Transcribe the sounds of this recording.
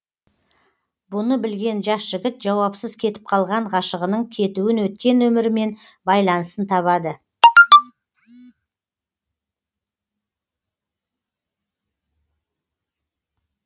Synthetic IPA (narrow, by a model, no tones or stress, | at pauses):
bʊnəbɪlɡʲe̞nʒɑsʒ̥ɪɡʲɪt̪ʒɑwɑpsəzkʲʰe̞t̪ɪ̥p̚qʰɑlˠʁɑɴʁɑʃəʁənəɴkʲʰe̞t̪uɪnwɵt̪̚kʲe̞nwɵmɪɾme̞n | bɑjlˠɑnəsənt̪ʰɑβɑd̪ə